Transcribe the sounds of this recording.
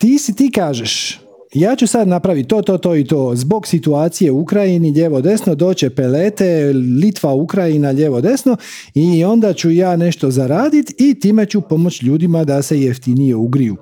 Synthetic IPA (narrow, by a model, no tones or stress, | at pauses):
t̪iːsit̪iːkaːʒeʃ | jaːt͡ɕusad̪napɾaʋit̪̚ːo̞ːt̪o̞ːt̪o̞ːit̪oːzbo̞ɡsit̪uaːt̪sije̞uukɾajiniʎeʋo̞d̪e̞sno̞d̪o̞ːt͡ɕe̞pe̞leːt̪elit̪ʋaukɾajinaʎe̞ʋo̞d̪e̞sno̞ | io̞nd̪at͡ɕujaːne̞ʃt̪o̞zaɾaːd̪it̪it̪iːme̞t͡ɕupo̞mo̞t͡ɕʎuːd̪imad̪ase̞jeft̪inijeuɡɾijṵ